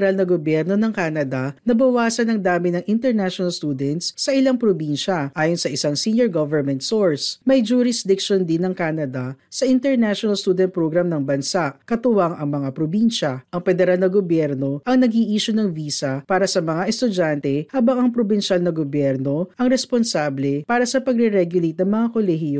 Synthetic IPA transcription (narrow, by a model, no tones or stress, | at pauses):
ɾalnɐɡobjɛɾno̞nɐŋkaːnɐd̪ɐnɐbɐwaːsɐnɐŋd̪aːmɪnɐŋʔɪnt̪ɛɾnaʃonɐlst̪uːd̪ɛnt̪sɐʔɪlaŋpɾobinʃɐʔaːjonsɐʔɪsaŋsiːnjoɹɡovɛɹmɛnt̪soɹsmɐjd͡ʒuɾɪsd̪ɪkʃond̪ɪnːɐŋkaːnɐd̪ɐsɐʔɪnt̪ɛɾnaʃonɐlst̪ud̪ɛnt̪̚pɾoɡɾamnɐŋbɐnsaʔkɐt̪ʊwaŋɐŋmɐŋapɾobinʃɐʔɐŋfɛd̪ɛɾalnɐɡobjɛɾno̞ʔɐŋnɐɡiʔiːʃʊnɐŋviːsɐpaːɾɐsɐmɐŋaʔɛst̪ʊd͡ʒant̪ɛhaːbɐŋɐŋpɾobɪnʃalnɐɡobjɛɾno̞ʔɐŋɾɛsponsablɛpaːɾɐsɐpɐɡ̚ɾɛɾɛɡjʊlejt̪̚nɐŋmɐŋakolɛɦɪjo